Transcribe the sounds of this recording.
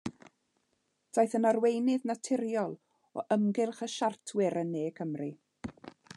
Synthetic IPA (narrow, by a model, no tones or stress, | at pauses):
d̥ajθənarwejnɨðnatʰɪɾjɔlˠ | ɔ̰ʔəmɡɪlˠχəʃartʰwɪɾənːeːkʰəmri